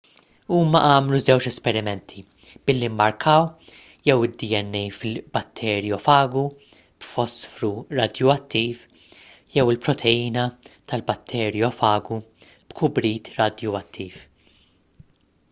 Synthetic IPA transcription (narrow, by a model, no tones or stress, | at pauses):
uːmɐʔɐːmluzɛwt͡ʃɛspɛɾɪmɛnt̪ʰi | b̥ɪlːimːɐɾkʰɐːw | jɛwɪd̪ːiɛnːɛjfɪlbɐt̪ʰːɛːɾjɔfɐːɡu | b̥fɔsfɾuɾɐd̪jɔɐt̪ːiːf | jɛwɪlpɾɔt̪ʰɛjiːnɐt̪ɐlbɐt̪ʰːɛːɾjɔfɐːɡu | b̥kʰʊbɾiːt̪ɾɐd̪jɔɐt̪ʰːiːf